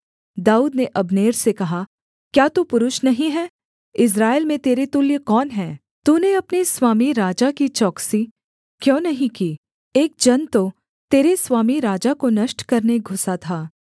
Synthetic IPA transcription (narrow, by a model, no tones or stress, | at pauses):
d̪aːuːd̪neʔɐbneːɾsekɐɦa | kjaːt̪upʊɾʊʃnɐɦĩɦɛː | ɪs̬ɾaːelmẽt̪eːɾet̪ʊljkɔːnɦɛː | t̪uːneɐpniswaːmiɾaːd͡ʒakit͡ʃɔːksi | kjõːnɐɦĩkiː | eːk̚d͡ʒɐnt̪o | t̪eːɾeswaːmiɾaːd͡ʒakonɐʃʈkɐɾneɡʱʊsat̪ʰaː